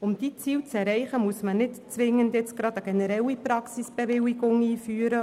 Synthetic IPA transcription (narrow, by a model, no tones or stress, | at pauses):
ʊmd̥̪it͡siːwt͡sɛɾɛɪχəmuəsmənɪtt͡sʋɪŋːəndjɛt͡sɡ̥ɾɑd̪əɡenɛɾɛwipɾɑksisb̥eʋɪwiɡʊŋiːfyːəɾə